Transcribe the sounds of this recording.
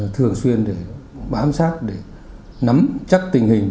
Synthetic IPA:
t̪ʰɨ˨˩əŋswi˧ənɗe˧˩ɓaː˨˦msaː˦˥t̚ɗe˧˩ | na˨˦mt͡ɕa˦˥k̚t̪ï˨˩ŋ̟ɦï˨˩ŋ̟

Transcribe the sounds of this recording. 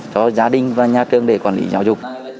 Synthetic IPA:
t͡ɕɔ˨˧˦zaː˨˦ɗï˨˩ŋ̟vaː˨˩ɲaː˨tɨ˨˧əŋɗe˧˩kwaː˧˩nlḭ˨˦zaː˨˦wzʊ˨˩k͡p̚

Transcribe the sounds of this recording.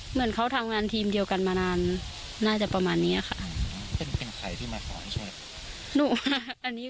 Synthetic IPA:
mɯ˩˦ənkʰa˦˥wt̪ʰa˧mŋaː˧nt̪ʰiː˧mdi˧əwka˧nmaː˧naː˧nː | aː˥˩t͡ɕa˨˧˩ʔpa˧maː˧nːiː˦˥ʔɐ˨kʰa˦˧˩ʔpe˧npe˧nkʰa̰˨˧˩jt̪ʰiː˥˩maː˧sɔː˩˦nt͡ɕʰu˧˩˧ | nuː˧˩˧ʔa˧nːiː˦˥

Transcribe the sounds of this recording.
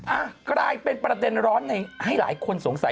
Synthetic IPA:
ʔaː˧˩kɾaː˧jpe˧npɾa˧de˧nɾɔː˦˥nːa˧jha˥˩jla̰ː˩˦jkʰo˧nso˩˦ŋsa˨˩˦

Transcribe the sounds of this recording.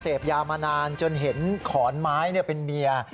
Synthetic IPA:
seː˨˩p̚jaː˧maː˧naː˧nt͡ɕo˧nɦe˩˦nkʰɔː˩˦nmaː˦˥jni˥˩ɐpe˧nmi˧ɐ

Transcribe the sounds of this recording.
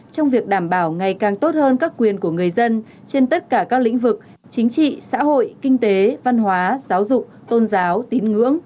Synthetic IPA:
t͡ɕɔ˧wŋ͡mvi˨˩ək̚ɗaː˧˩mɓaː˧˩wŋa˨˩jkaː˨˩ŋt̪o˦˥t̚həː˧nkaː˦˥kːwi˨˩ənku˧˩əŋɨ˨˩əjzə˧n | t͡ɕe˧nt̪ə˦˥t̚kaː˧˩kaː˦˥k̚lḭ˧˥ŋ̟vɨ˨˩k̚ | t͡ɕï˨˦ŋ̟t͡ɕḭ˧˨sa̰ː˧˥ɦo̰˧˨jkï˧ŋ̟t̪e˨˦va˧nɦwaː˨˦zaː˨˦wzʊ˨˩k͡p̚t̪o˧nzaː˨˦wt̪i˨˦nŋɨ̰˧˥əŋ

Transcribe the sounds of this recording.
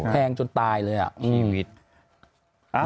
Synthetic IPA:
pʰɛː˧ŋt͡ɕo˧nt̪aː˧jlɤː˧jʔa̰˨˩ʔʔɯː˧˩˦t̪̚

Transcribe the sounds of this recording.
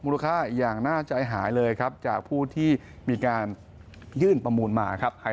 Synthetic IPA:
muː˧la˧kʰaː˥˩jaː˨˩ŋnaː˥˩t͡ɕa˧jɦaː˩˦jlɤː˧jkʰa˦˥p̚t͡ɕaː˨˩k̚pʰuː˥˩t̪ʰiː˥˩ | miː˧kaː˧n | jɯː˥˩npɾa˧muː˧nma̰ː˧kʰa˦˥p̚ha˩˦

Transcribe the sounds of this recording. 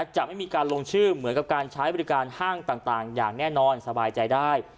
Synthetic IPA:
a˥˧˩t͡ɕa˨˩ma˥˩jmiː˧kaː˧nloː˧ŋt͡ɕʰɯː˥˩mɯ˩˦ənka˨˩p̚kaː˧nt͡ɕʰaː˦˥jbɔː˧ɾi˦˥kaː˧nhaː˥˩ŋt̪aː˨˩ŋt̪aː˨˩ŋjaː˨˩ŋnɛː˥˩nɔː˧nsa˧baː˧jt͡ɕa˧jdaː˥˩j

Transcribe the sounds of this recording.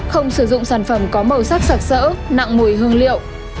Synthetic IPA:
xə˧wŋ͡msɨ˧˩zʊ̰˧˨ŋ͡msaː˧˩nfə˧˩mkɔ˨˦mə˨˩wsaː˦˥k̚sa˨˩k̚sə̰ː˧˥na̰˧˨ŋmu˨˩jɦɨ˧əŋlḭ˧˨ə˨w

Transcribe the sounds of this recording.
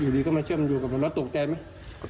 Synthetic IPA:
juː˨˩ɗiː˧kɔː˧˥˩maː˧t͡ɕʰɯ˥˩əm˧njuː˨˩ka˨˩˨lɔː˦˥t̪o˨˩k̚t͡ɕɛː˧ma˦˥j

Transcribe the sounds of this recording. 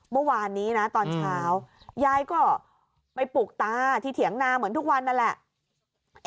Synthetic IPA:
mɯ˥˩waː˧nːiː˦˥na˦˥t̪ɔː˧nt͡ɕʰaː˦˥w | jaː˦˥˩jkɔː˥˩ | pa˧jpuː˨˩k̚t̪aː˧˥t̪ʰiː˧˩t̪ʰi˩˦əŋnaː˧mɯ˩˦ənt̪u˦˥k̚wa˧nːa˧nlɛ˨˩ʔ

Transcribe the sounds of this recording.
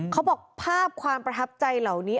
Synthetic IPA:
kʰa˦˥wbɔː˨˩k̚pʰaː˥˩p̚kʰwaː˧mpɾa˧t̪ʰa˦˥p̚t͡ɕa˧jla˨˩wniː˦˥

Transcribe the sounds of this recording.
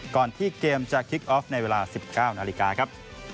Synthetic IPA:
kɔː˨˩nt̪ʰiː˥˩keː˧mt͡ɕa˨˩kʰi˦˥k̚ʔɔː˦˥f̚na˧jweː˧laː˧si˨˩p̚kaː˥˩wnaː˧li˦˥kaː˧kʰa˦˥p̚

